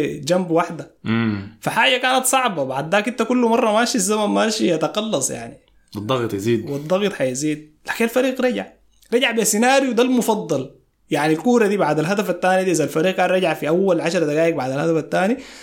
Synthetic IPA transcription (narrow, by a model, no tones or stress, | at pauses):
d͡ʒambwaħd̪a | faħaːd͡ʒakaːnat̪sˤɑʕbɑbaʕd̪ːaːkint̪akulːumɑrˤːɑmaːʃizːamanmaːʃihat̪ɑqɑlːɑsˤja̰ʕni | wɨd̪ˤːɑɣt̪ˤjaziːd̪wid̪ˤːɑɣt̪ˤħajziːd̪̚laːkinalfɑɾiːqɾˤɑɟaʕ | ɾˤɑɟaʕbesinaːɾjwd̪almufɑd̪ˤːɑl | jaʕnilkuːɾˤɑd̪iːbaʕd̪alɦad̪afat̪ːaːnid̪iːʔizalfaɾiːq̚kaːnɾˤɑɟʕafiʔawːalʕaʃɾˤɑd̪aɡaːʔik̚baʕd̪alhad̪afat̪ːaːni